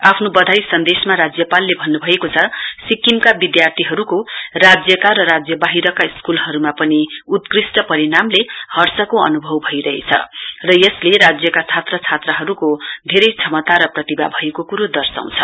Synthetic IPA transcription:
apʰnobʌd̪ʱajsʌnd̪esmaɾad͡zjʌpalːebʱʌnːubʱʌekot͡sʰʌsikimkabid̪jart̪ʰiɦʌɾukorad͡zjʌkarʌɾad͡zjʌbaɦiɾʌkaiskulɦʌɾumapʌniut̪krisʈʌpʌɾinamlehʌrsʌkoʌ̰nubʱʌwbʱʌjɾʌɦḛt͡sʰʌ̰rʌjʌsleɾad͡zjʌkat͡sʰat̪rʌt͡sʰat̪rʌɦʌɾukod̪ʱeɾʌjt͡sʰʌmʌt̪aɾʌprʌt̪iba̰bʱʌekokuɾod̪ʌrsa̰w̃t͡sʰʌ̰

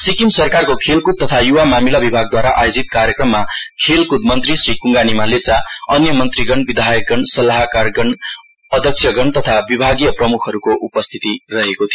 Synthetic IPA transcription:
sikimsʌrkarkokʰelkud̪̚t̪ːʌt̪ʰajuwamamilabibʱaɡ̚d̪waɾaʔajod͡zit̪̚kaɾjʌkrʌmːakʰelkud̪̚mʌnt̪risrikuŋɡanimalet͡saʌnjʌmʌnt̪riɡʌɳbid̪ʱajʌk̚ɡʌɳsʌlaɦkarɡʌɳ | ʌd̪ʱʌksʰjʌɡʌɳt̪ʌt̪ʰabibʱaɡijʌprʌmukʰʌɾukoʔupʌst̪ʰit̪irʌɦekot̪ʰijo

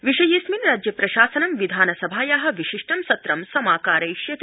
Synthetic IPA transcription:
ʋiʃɐjisminɾaːd͡ʒjɐpɾɐʃaːsɐnɐmʋid̪ʱaːnɐsɐbʱaːjaːɦɐ̆ʋiʃiʂʈɐmsɐt̪ɾɐmsɐmaːkaːɾɐjʃjɐt̪

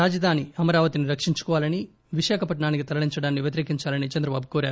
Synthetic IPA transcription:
aːd͡ʒɐd̪ʱaːniɐmɐɾaːʋɐt̪iniɾɐkʂiɲt͡ʃu̥kɔːʋaːlɐni | ʋiʃaːkʰɐpɐʈɳaːnikit̪ɐlɐɭiɲt͡ʃɐɽaːnːiʋjɐt̪iɾeːkiɲt͡ʃaːlɐnit͡ʃɐnd̪ɾɐbaːbukoːɾjaːɾu

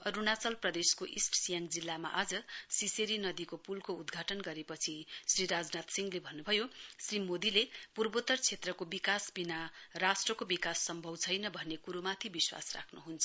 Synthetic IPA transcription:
ʌɾunat͡sʌlprʌd̪eskoʔisʈsijaŋd͡zilːama̰ʔad͡zʌsiseɾinʌd̪ikopulkoud̪ɡʱaʈʌnɡʌɾepʌt͡sʰisriɾad͡znat̪siŋɡlebʱʌnːubʱʌjosrimod̪ilepurbot̪ʌrt͡sʰet̪rʌkobikasbinarasʈrʌkobikasːʌmbʱʌbt͡sʰʌjnʌbʱʌnːekuɾomat̪ʰibiswa̰sra̰kʰnuɦunt͡sʰʌ

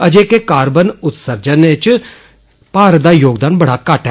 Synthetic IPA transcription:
əd͡ʒeːkekaːɾbənʊt̪səɾd͡ʒənɪt͡ʃ | paːɾd̪aːjoːɡd̪aːnbəɽaːkaʈɦ

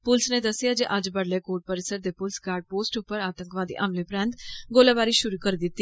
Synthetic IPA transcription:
pʊlsnẽːd̪əsːɪjaːd͡ʒeːʔəd͡ʒbəɽleːkoːʈ̚pəɾɪsəɾd̪eːpʊlsɡaːɾɖ̚poːsʈʊpːəɾaːt̪ə̃ŋkʋaːd̪ḭːʔəmleːpɾɛ̃ːnt̪ɡoːlaːʋaːɾiːʃʊɾuːkəɾid̪ɪt̪ːiː

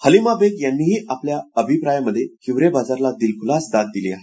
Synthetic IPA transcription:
həlimabeɡjanːiːɦiːʔapljaəbʱipɾajaməd̪ʱːjekʰiʋɾebad͡zaɾlad̪ilkʰulasd̪at̪̚d̪iliːaɦe

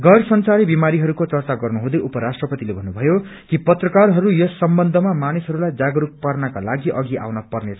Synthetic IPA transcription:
ɡʌrsʌnsaɾibimaɾiɦʌɾukot͡sʌrt͡saɡʌrnuɦũd̪ʌjʔupʌɾasʈrʌpʌt̪ilebʱʌnːubʱʌjo | kipʌt̪rʌkarɦʌɾujʌsːʌmbʌnd̪ʱʌmamanisɦʌɾulajd͡zaɡʌɾuk̚parnakalaɡiʔʌɡiʔa̰wnʌpʌrnet͡sʰ

